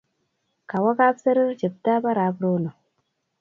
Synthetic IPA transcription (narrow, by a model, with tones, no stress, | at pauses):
ka˨wa˦ka˦bsə˦ɾi˦ɾt͡ʃi˨b̚ta˦ba˦ɾa˨˦bɾo˦no˨